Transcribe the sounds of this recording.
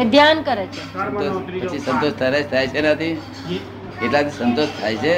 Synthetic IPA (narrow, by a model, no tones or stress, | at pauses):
ed̪ʱjankəɾet͡ʃʰeənt̪oət͡ʃʰisənt̪oʃt̪ʰəɾaʃt̪ʰajt͡ʃʰenat̪ʰi | keʈlat̪ʰisənt̪oʃt̪ʰajt͡ʃʰe